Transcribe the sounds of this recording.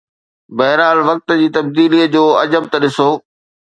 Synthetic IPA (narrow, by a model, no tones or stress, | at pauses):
bɐɦɾaːlʋɐk̚t̪ə̆d͡ʑiːt̪ɐb̚d̪iːliːəd͡ʑoːɐd͡ʑəb̚t̪ɐɗɪsoː